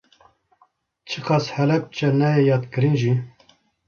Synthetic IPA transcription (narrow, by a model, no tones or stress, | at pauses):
t͡ʃʰɨqɑːshɛlɛp̚t͡ʃɛnɛjejɑːt̪kɨɾinʒi